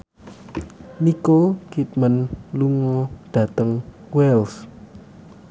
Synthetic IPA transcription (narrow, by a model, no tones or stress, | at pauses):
nikokit̪̚mənluŋɔɖ̥ä̤t̪əŋ | wɛls